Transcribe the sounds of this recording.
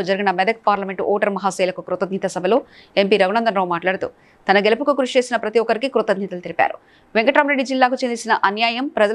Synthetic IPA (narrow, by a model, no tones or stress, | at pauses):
od͡ʒɐɾiɡinɐmɛd̪ɐk̚paːɾlɐme̞ɳʈʔɔːʈɐɾmɐɦaːsɛːlɐkukɾut̪ɐd̪nit̪ɐsɐbʱɐloː | e̞mpiːɾɐɡunɐnd̪ɐnɾoːmaːʈlaːɽɐt̪ṵ | t̪ɐnɐɡelɐpukukɾuʂt͡ʃe̞ːsinɐpɾɐt̪iɔkːɐɾikikɾut̪ɐd̪̚nit̪ɐlut̪elipa̰ːɾṵ | ʋeŋkɐʈɾaːmɾe̞ɖːid͡ʒilːaːkut͡ʃend̪isinɐʔɐnjaːjɐmpɾɐd͡ʒɐ